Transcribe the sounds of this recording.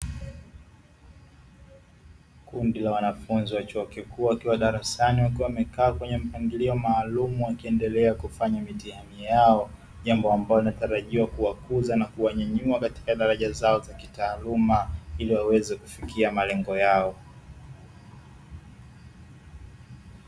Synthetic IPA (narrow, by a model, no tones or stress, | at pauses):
kundilawanafunziwat͡ʃuɔkikuaakiwaɗaɾasaniwakiwamɛkaːkwɛɲɛm̩paŋɡiliɔmaːlumuwakiɛndɛlɛakufaɲamitihamijaɔ | ʄambɔambalɔlinataɾaʄiwakuwakuzanakuwaɲaɲuakati̥kaɗaɾaʄazaɔzakitaːlumailiwawɛzɛku̥fikiamalɛŋɡɔjaɔ